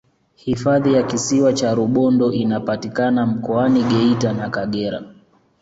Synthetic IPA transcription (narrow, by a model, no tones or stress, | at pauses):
hifaðijakisiwat͡ʃaɾuɓɔndɔʔinapatikanam̩kɔaniɠɛitanakaɠɛɾa̰